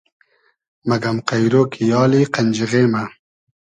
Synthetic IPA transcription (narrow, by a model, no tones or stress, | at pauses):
mɐɡɐmqajɾoːkʰijɑːliqanʲd͡ʒiɣeːma